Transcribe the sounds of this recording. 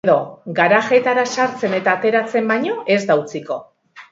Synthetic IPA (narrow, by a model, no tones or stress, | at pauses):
ðo̞ɡaɾaɣe̞t̪aɾasaɾt͡se̞ne̞t̪aːt̪e̞ɾat͡se̞mbajɲo̞ʔe̞zd̪awt͡siko̞